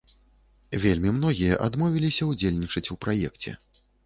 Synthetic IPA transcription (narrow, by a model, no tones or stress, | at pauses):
vʲelʲmʲimn̪ɔɣʲijɐʔad̪mɔvʲilʲisʲɐud͡zʲelʲnʲit͡ʂɐt͡sʲupɾajɛkt͡sʲɛ̰